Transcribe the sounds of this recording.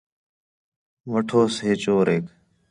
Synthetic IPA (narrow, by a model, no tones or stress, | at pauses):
ʋəʈʰoːsɦeːt͡ʃoːɾeːk